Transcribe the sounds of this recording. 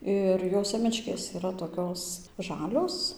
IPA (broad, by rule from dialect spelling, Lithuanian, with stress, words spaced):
ˈɪr joː ˈsʲeːmʲɛt͡ʃʲkʲeːs ɪˈrɐ toːˈkʲoːs ˈʒɑːlʲoːs